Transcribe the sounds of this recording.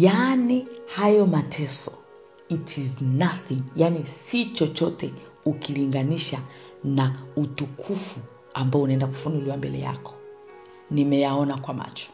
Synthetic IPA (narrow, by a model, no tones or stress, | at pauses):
janihajɔmatʰɛsɔ | itʰiznaθiŋjanisit͡ʃɔt͡ʃɔtɛ | ukiliŋɡaniʃa | nautukʰufu | ambaɔunaɛndaku̥funuliwambɛlɛ̰ja̰kɔ̥ | nimɛjaɔnakwama̰t͡ʃɔ̥